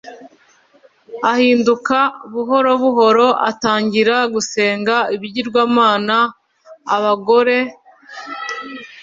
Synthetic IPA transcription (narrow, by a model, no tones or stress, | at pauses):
ahiːndukaβuɦo̞ɾo̞βuɦo̞ɾo̞ʔa̰taːɲɟiɾaɡuse̞ːŋɡaiβiɟiɾɡwaːmaːnaː | βaɡo̞ɾe̞